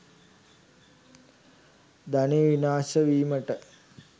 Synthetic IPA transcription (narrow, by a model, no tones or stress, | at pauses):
d̪aneʋinaːsəʋiːməʈə